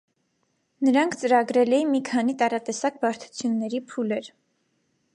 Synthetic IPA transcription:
nəɾɑŋkʰt͡səɾɑɡɾɛlɛjinmikʰɑnit̪ɑɾɑt̪ɛsɑk̚bɑɾt̪ʰu̥t͡sʰjunːɛɾipʰulɛɾ

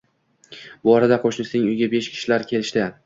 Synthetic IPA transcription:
bɒɾad̪aqʰoʃnɪsnɪŋʊjɡʲabe̞ʃkʲʰɪ̥ʃɪlaɾkʲʰe̞lɪʃt̪ɪ

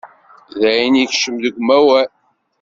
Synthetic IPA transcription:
ðæiniçʃəmðəɡʷmæwæ

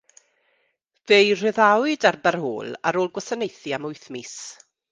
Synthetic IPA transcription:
ðejr̥ɪðawɨdarbarho̰ːlˠa̰ɾoːlˠɡwəsənejθiamʊjθmis

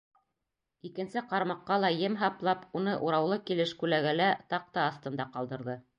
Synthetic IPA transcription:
ikɘ̆nsɘqɑɾmɑqːɑlˠɑjɘmɦɑplˠɑpunɤʔuɾɑwlˠɤkilɘʃkʉlæɡælæt̪ɑq̚t̪ɑːθt̪ɤ̆nd̪ɑqɑlˠd̪ɤ̆ɾðɤ

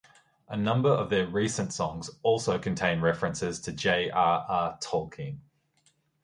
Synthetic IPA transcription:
ʔənʌ̃mbəɹəvðəɹiˑsə̃ntsɒ̃ŋzɔˑlˠsəʊkʰə̃ntʰẽɪ̃nɹɛfəɹə̃nsɪz̥tʰəd͡ʒeɪʔɑːʔɑːtʰɔːˑkʰɪ̃ŋ

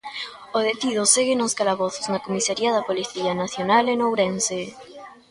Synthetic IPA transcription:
oð̞et̪ið̞oseɣenoskalaβ̞oθoznakomisaɾiaðɐpoliθianaθjonalenowɾense

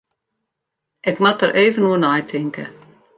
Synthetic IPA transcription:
ʔɪkmatəɾʔeːvənuənajtʰɪŋkə̰

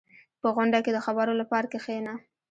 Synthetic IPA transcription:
pəɣʊɳɖaked̪əxabaɾolapɑɾakexena

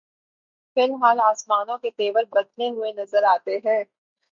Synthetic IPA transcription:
fɪlɦaːlaːsmaːnõket̪eːʋəlbɐd̪neɦʊenɐzəɾaːt̪eɦɛ̃ː

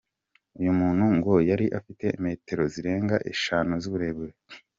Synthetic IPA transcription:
ujumuːnhuŋɡojaɾiʔafite̞me̞ːte̞ɾo̞ziɾe̞ːŋɡaʔḛʃaːnuzuβuɾe̞ːbɡe

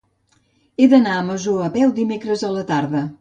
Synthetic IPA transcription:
ed̪ənaəməʒuəβɛwd̪imekɾəzələt̪aɾðə

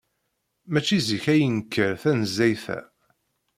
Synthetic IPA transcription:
mæt͡ʃːiziçæjənkːəɾθænəzːæjθæ̰

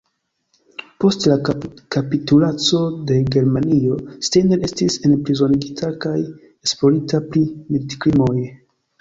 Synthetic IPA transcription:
po̞stlakapitulat͡so̞de̞ɡe̞ɾmanio̞stenele̞stisenpɾizo̞niɡitʰakaj | esplo̞ɾitapɾimitkɾimoj

